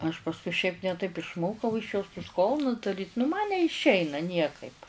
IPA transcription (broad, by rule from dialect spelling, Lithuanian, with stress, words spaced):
ɐʃ pɐsˈkʊɪ ʃʲɛɪp nʲɛ ˈtɐɪp ɪʃˈmoːkɐʊ ɪʃ joːs tʊs ˈkoːlˠnʊs dɐˈrʲiːt nʊ mɐn nʲɛɪʃʲˈɛɪnɐ ˈnʲiɛkɐɪp